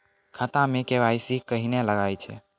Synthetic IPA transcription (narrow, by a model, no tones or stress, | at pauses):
kʰət̪ãmekeʋajsikəɦineləɡajt͡ʃʰɛ̰